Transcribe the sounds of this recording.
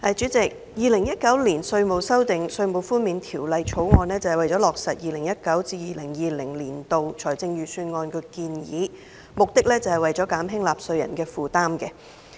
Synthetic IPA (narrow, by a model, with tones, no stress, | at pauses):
ɐ˨˩t͡ʃy˨˥t͡sɪ˨k̚ | jiː˨lɪ˨˩ŋjɐ˥t̚kɐ˨˥wliː˨˩nsɵ˧ɥmo˨wsɐ˥wt̪ɪ˨ŋsɵ˧ɥmo˨wfuː˥nmiː˨˧nt̪ʰiː˨˩wlɐ˨jt͡ʃʰo˨˥wŋɔː˧nɛː˥t͡sɐ˨whjwɐ˨jt͡sɔː˨˥lɔː˨k̚sɐ˨t̚jiː˨˧lɪ˨˩ŋjɐ˥t̚kɐ˨˥wt͡siː˧jiː˨lɪ˨˩ŋjiː˨lɪ˨˩ŋliː˨˩nt̪o˨wt͡ʃʰɔː˨˩jt͡sɪ˧ŋjyː˨˧syː˧nŋɔː˧nkʰɵ˧kiː˧njḭː˨˥ | mʊ˨k̚t̪ɪ˥k̚lɛː˥t͡sɐ˨˧whɐ˨jwɐ˨jt͡sɔː˨˥kaː˨˥mɦɪ˥ŋlaː˨p̚sɵ˧ɥjɐ̰˨˩nkɛː˧fuː˨t̪aː˥mkɛ˧